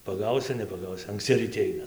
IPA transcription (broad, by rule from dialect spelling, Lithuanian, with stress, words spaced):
pɐˈɡɐʊsʲʊ nʲɛpɐˈɡɐʊsʲʊ ɐŋkˈsʲt͡sʲɪ rʲiːˈtʲɪ ˈɐɪnɐ